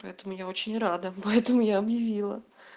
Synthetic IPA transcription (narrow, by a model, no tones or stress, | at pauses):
pɐɛt̪əmʊjao̞t͡ɕɪnʲrad̪əpɐɛt̪əmʊjaɐbjɪvʲilˠə̰